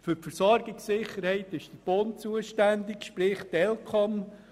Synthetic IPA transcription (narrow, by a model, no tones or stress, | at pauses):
fʏɾpfəɾsɔɾɡɪksɪχːəɾhɛɪt̪ɪʃd̥əb̥ont͡suəʃtænd̪ɪkʃpɾɪχtɛlkʰɔm